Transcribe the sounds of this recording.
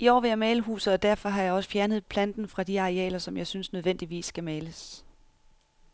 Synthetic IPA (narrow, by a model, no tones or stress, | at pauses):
iɒ̰ːʋe̝jɑmɛːləɦṵːsð̩ˠɒ̽d̥æɐfɒ̽ɦɑ̈jɑ̈ɪɒ̽sə̥fjæɐnð̞̩ˠpʰlænd̥n̩fʁɑ̈d̥iɑ̈ʁiɛ̰ːlɐsɒ̽mjɑ̈ɪsynsnøð̞ˠʋen̰d̥iʋḭːsːɡ̥æmɛːləs